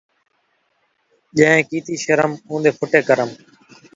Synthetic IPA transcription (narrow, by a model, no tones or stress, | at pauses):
ʄə̃ɦẽːkiːt̪iːʃəɾəmũːnd̪eːpʰʊʈeːkəɾəm